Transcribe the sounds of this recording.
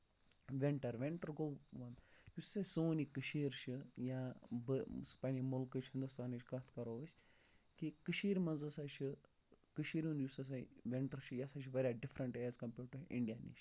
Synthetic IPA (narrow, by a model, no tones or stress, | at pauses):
ʋeɳʈɐɾʋeɳʈɐɾɡowʋɐnjussasoːnikɨʃiːɾʃʰɨjabɨspɐnimulkɨt͡ʃʰhɪnd̪ust̪aːnit͡ʃʰʲkɐt̪ʰkɐɾoːʋɐsʲ | kikɨʃiːɾʲmɐzɐsaːt͡ʃʰi | kɨʃiːɾũnd̪jusɐs̬aʋʲeɳʈɐɾʃʰijasat͡ʃʰiʋɐɾʲjaɖifɾɐɳʈejaːzkɐmpʲuːʈɨḭ̃ɳɖijaːnḭʃ